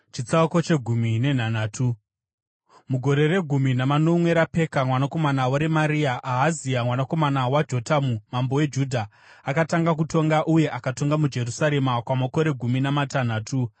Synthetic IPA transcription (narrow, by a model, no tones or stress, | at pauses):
t͡ʃit͡sauko̞t͡ʃe̞ɡʱumine̞n̤anaːtʰu | muɡʱo̞ɾe̞re̞ɡʱuminamano̞mwe̞ɾape̞kamwanako̞manawaɾemaɾiaʔaɦaziamwanako̞manawad͡ʒo̞tamumambo̞we̞d͡ʒudʱa | akataŋɡak̬uto̞ŋɡaʔuje̞ʔakato̞ŋɡamud͡ʒe̞rusaɾe̞makwamoko̞ɾe̞ɡʱuminamatan̤aːtʰu